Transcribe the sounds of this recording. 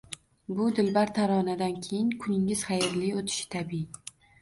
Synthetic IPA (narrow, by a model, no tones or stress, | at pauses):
bʊd̪ɪlbaɾt̪ʰaɾɒnad̪ankʲʰejɪŋkʰʊnɪŋɪz̥χajɪɾlɪot̪ʰɪ̥ʃɪ̥t̪ʰabii